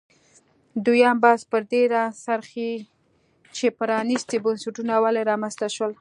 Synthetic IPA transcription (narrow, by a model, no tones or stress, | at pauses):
d̪ujɑmbɑspəɾd̪eɾasaɾxi | t͡ʃepəɾɑnist̪ibansaʈunawaleɾɑmanst̪aʃwəl